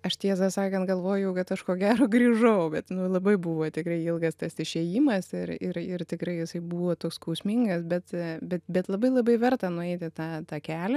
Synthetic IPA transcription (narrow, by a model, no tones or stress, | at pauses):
ɐʃt̪ʲiɛzɐsɑːkɐnt̪ɡɐlˠʋoːjɛʊkɐt̪ɐʃkoːɡʲæːɾoːɡɾʲiːʒɐʊbʲɛt̪nʊlˠɐbɐɪbuːʋoːt̪ʲɪkɾɐɪɪlˠɡɐst̪ɐsɪʃʲeːjiːmɐsɪɾɪ̰ɾɪrt̪ʲɪkɾɐɪjɪsɐɪbuːʋoːt̪oːkskɐʊsʲmʲiŋɡɐsbʲɛt̪bʲɛt̪bʲɛt̪lˠɐbɐɪlˠɐbɐɪʋʲɛɾt̪ɐnʊɛɪt̪ʲɪt̪ɑːt̪ɑːkʲæːlʲɛ